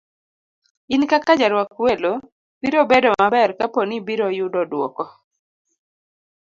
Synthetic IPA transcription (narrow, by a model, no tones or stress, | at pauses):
ɪnkakad͡ʒaɾwakwelo | b̥iɾobedɔmabɛrkaponibiɾɔjʊdɔdwɔ̰kɔ